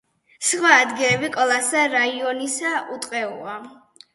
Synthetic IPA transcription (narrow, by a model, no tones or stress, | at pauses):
sχwaːd̪ɡilɛbikʼɔlˠasaɾaiɔnisaut̪ʼqʼɛṵa